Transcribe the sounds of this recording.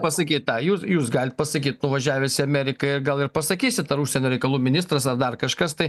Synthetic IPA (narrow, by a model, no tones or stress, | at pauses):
pɐsɐkʲiːt̪̚t̪ɑjuːsjuːsɡɑːlʲɪt̪̚pɐsɐkʲiːt̪nʊʋɐʒʲæːʋʲeːsʲɪɐmʲæɾʲɪkɐɪɾɡɐlˠɪɾpɐsɐkʲiːsʲɪt̪ɐɾuʃʲsʲɛnʲoːɾʲɛɪkɐlˠuːmʲɪnʲɪst̪ɾɐsɐrd̪ɐrkɐʃkɐst̪ɐɪ